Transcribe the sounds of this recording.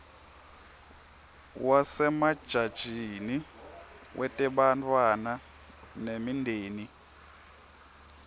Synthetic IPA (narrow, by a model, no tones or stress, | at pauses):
wasɛmad̥ʒ̥ʱad̥ʒ̥ʱini | wʔɛtʼɛɓantʰʼwana | nemindʱeːni